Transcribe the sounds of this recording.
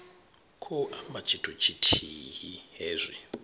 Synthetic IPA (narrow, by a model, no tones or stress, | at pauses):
kʰɔʔamat͡ʃʰitʰʼɔt͡ʃʰitʰiɦiɦeːzʷi